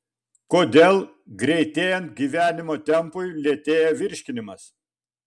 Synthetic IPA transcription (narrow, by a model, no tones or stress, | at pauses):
koːd̪ʲeːlˠ | ɡɾʲɛɪt̪ʲeːjɛnt̪̚ɡʲiːʋʲæːnʲɪmoːt̪ʲɛmpʊɪlʲeːt̪ʲeːjɛʋʲɪɾʲʃʲkʲɪnʲɪmɐs